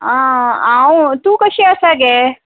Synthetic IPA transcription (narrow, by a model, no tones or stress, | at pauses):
ããwt̪ũːkəɕiːəsaɡe